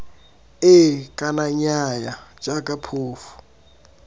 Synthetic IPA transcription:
ɪkʼanaɲajḁd͡ʒʼakʼapʰoːfu̥

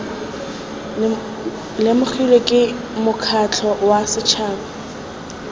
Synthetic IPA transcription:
lɪmʊk͡xʰilekʼɪ | mʊkʰat͡ɬʰɔwasɪt͡ʃʰaːbɔ

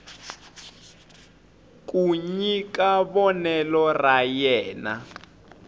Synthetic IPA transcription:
k̬ʼuɲikaβɔnɛlɔrajɛːna

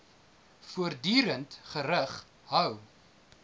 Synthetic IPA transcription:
fuərdyːɾəntχəɾəχ | ɦœw

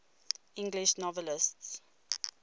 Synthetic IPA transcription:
ɪ̃ŋɡliʃnɔvəlɪsts

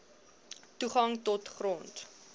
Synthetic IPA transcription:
tuχɐŋtɔtχrɔnt

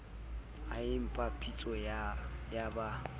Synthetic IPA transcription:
aɪm̩pʼapʼit͡sʼɔjaba

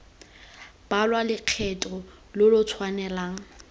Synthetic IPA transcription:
b̥alwalɪq͡χʰɛtʼɔ | lɪlʊt͡sʰwanɛlaːŋ̩

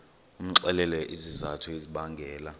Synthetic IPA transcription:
um̩ǁɛlɛlɛʔizizatʰueziɓaŋɡʱɛːla

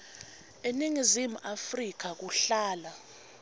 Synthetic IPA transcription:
eniŋizimuʔafrik̬ak̬uɬaːla

